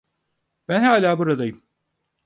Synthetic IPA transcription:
bænhaːlʲaːbuɾad̪ajɯm

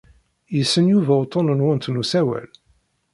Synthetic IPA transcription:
jəsːənjuvæwt̪ˤːonənwənt̪nusæwæ̰l

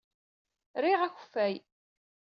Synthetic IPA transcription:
ɾiʁæçə̥fːæj

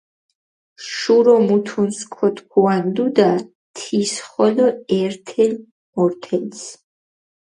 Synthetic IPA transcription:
ʃuɾɔmut̪ʰunskʰɔt̪ʰkʰuand̪ud̪a | t̪ʰisχɔlɔɛɾt̪ʰɛl | mɔɾt̪ʰɛns

